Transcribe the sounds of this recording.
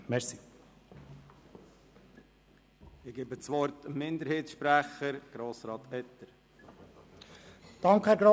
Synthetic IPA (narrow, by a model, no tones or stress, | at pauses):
mɛɾsi | ɪɡ̥eːbət͡sʋɔɾtəmːɪnd̪əɾheːtsʃpɾæχəɾɡ̥ɾoːsɾɑːt̪ɛt̪ːəɾ | d̪̥ɑŋkhæːɾɡɾo